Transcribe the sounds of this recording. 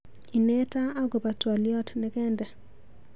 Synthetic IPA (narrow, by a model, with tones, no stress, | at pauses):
i˨ne˦ta˦a˦ɡo˨pa˨twa˨ljɔ˦tnɛ˦kɛ˦ndɛ˨